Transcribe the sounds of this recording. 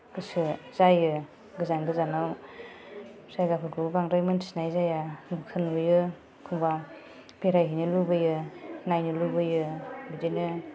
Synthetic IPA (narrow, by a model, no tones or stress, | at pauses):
ɡ̥ɯsɯz̥ajɯ | ɡɯzaŋbɯzanaw | sajɡapʰɯɾɡubaŋɾajmɯnsnajzajanukʰɯnbɯjɯ | kʰuŋba | beɾajɦinɯlubɯjɯnajnɯlubɯjɯbidenɯ